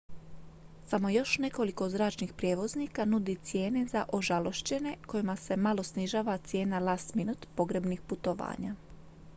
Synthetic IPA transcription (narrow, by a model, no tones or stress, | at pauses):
samo̞jo̞ʃne̞ko̞liko̞zɾaːt͡ʃnixpɾʲjeʋo̞znikanud̪it̪sje̞ːne̞zaʔo̞ʒalo̞ʃt͡ɕe̞ne̞ko̞jimase̞malˠo̞sniʒaːʋat̪sje̞ːnalast̪minut̪po̞ɡɾe̞bnixput̪o̞ʋa̰ːɲa̰